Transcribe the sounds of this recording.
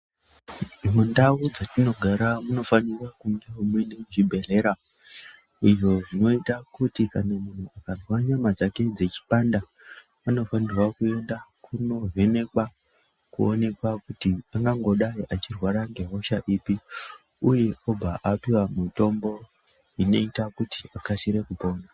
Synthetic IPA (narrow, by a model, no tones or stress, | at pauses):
mundawud͡zatino̞ɡʱaɾamuno̞fanirakuŋɡeomweneʐibʱe̞re̞ɾa | iʐo̞ʐino̞itakutikanamun̤uakazwaɲamad͡zake̞d͡ze̞t͡ʃi̥panda | ano̞fanirwakue̞ndakʰuno̞ɦe̞ne̞kwa | kuo̰ne̞kwakutiaŋɡaŋɡo̞ɗaiʔat͡ʃirwaɾaŋɡe̞ɦo̞ʃaʔiːpi | uje̞o̞b͡vʱaʔapiwamito̞mbo̞ | ino̞itakuti̥akasiɾe̞kupo̞ːna